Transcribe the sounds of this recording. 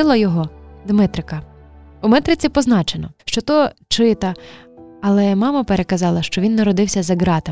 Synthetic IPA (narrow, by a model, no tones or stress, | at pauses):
ɪlˠɐjɔɦɔd̪mɪt̪ɾɪkɐumɛt̪ɾɪt͡sʲipɔznɑt͡ʃenɔ̰ʃt͡ʃɔt̪ɔt͡ʃɪt̪ɐ | ɐlˠɛmɑmɐpeɾekɐzɑlˠɐʃt͡ʃɔʋʲinːɐɾɔd̪ɪwsʲɐzɐɡɾɑt̪ɪ